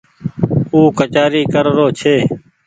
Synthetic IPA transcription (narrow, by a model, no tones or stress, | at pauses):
uːkət͡ʃaːɾiːkəɾɾoːt͡ʃʰeː